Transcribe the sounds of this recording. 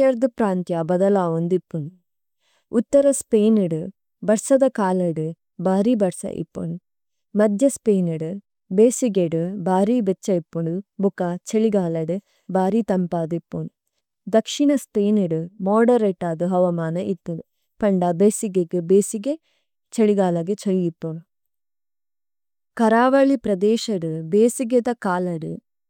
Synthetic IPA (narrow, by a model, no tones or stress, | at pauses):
ɐɾd̪ɨpɾaːnt̪jaːbɐd̪ɐlaːʋond̪ipːun | ut̪ːɐɾɐspeːniɽɨ | bɐɾsɐd̪ɐkaːlɐɽɨ | baːɾibɐɾsɐ̰ʔḭpːṵn | mɐd̪ʱjɐspeːnɐɽɨ | beːsiɡeɽɨbaːɾibet͡ʃːɐipːuɳubukat͡ʃeɭiɡaːlɐɽɨ | baːɾit̪ɐmpaːd̪ipːun | d̪ɐkʂiɳɐspeːnɐɖumoːɖɐɾeʈːaːd̪ɐɦɐʋɐmaːnɐʔit̪ːud̪ | pɐɳɖɐbeːsiɡeɡɨbeːsiɡe | t͡ʃeɭiɡaːlɐɡet͡ʃɐɭiipːon | kɐɾaːʋɐɭipɾɐd̪ɛːʃɐɽɨbeːsiɡed̪ɐkaːlɐɽu